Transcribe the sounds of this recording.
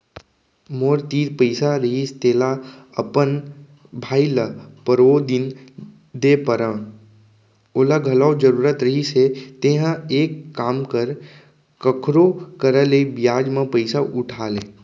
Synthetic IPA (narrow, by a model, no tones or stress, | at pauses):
moːɾt̪iːɾpəɪsaɾəɦist̪eːlaəpən | bʱaːiləpəɾoːd̪in | d̪eːpəɾə | oːlaɡʱəlad͡ʒəɾuːɾət̪ɾəɦiset̪ẽɦə̃eːkːaːmkəɾ | kəkʰɾokəɾəleibɪjaːd͡ʒmãpəɪsaʔʊʈʰaːlẽː